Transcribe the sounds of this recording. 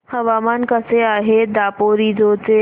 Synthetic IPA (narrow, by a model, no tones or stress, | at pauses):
hɐʋaːmaːnkɐseaːɦed̪aːpoːɾid͡ʒoːt͡ʃe